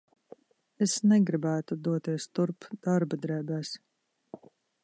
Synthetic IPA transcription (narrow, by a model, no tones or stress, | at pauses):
esnɛɡɾibæːt̪ud̪uɔt̪iɛst̪uɾpd̪̥aɾbad̪ɾɛːbæːs